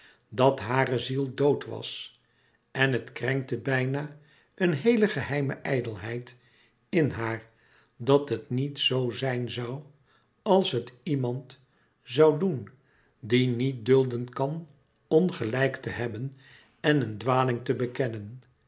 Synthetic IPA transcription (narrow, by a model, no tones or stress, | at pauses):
dɑtɦaːrəzilˠdowtʋɑ̰s | ʔɛnɦətkrɛŋk̚təbɛjnaː | ʔənɦejləχəɦɛjmə̰ʔɛjdəlˠɦɛjt | ɪnɦaːɹ | dɑtɦətnitsowzɛjnzɑw | ɑlˠsɦətimɑnt | zɑwdun | dinit̚dɵlˠdənkɑn | ɔnχəlɛjktəɦɛbən | ɛnəndʋaːlɪŋtəbəkɛnən